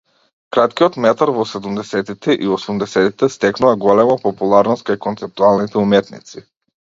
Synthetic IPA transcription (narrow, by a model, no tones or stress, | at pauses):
kɾat̪kiɔt̪mɛt̪aɾvɔsɛd̪umd̪ɛsɛt̪it̪ɛʔiɔsumd̪ɛsɛt̪it̪ɛst̪ɛknuvaɡɔlɛmapɔpulˠaɾnɔst̪̚kajkɔnt̪sɛp̚t̪ualˠnit̪ɛumɛt̪nḭt̪si